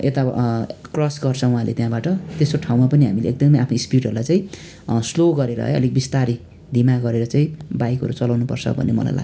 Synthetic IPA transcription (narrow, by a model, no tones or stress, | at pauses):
et̪akrʌsɡʌrt͡sʰʌuɦãlḛt̪jãbaʈʌt̪esoʈʰaw̃mapʌniɦamilḛek̚d̪ʌmʌjapʰnʌispiʈɦʌɾulajt͡saĩ | sloɡʌɾeɾʌ̰ɦʌ̰ʌ̰lik̚bist̪aɾi | d̪ʱimaɡʌɾeɾʌt͡saĩbajkɦʌ̰ɾut͡sʌlawnupʌ̰rt͡sʰʌ̰bʱʌ̰nːemʌ̰la̰jla̰ɡ